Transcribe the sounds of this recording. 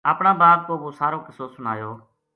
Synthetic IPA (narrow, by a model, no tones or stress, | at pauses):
aːpɳãːbaːb̚koːboːsaːɾoːkɪsoːsʊna̰ːjoː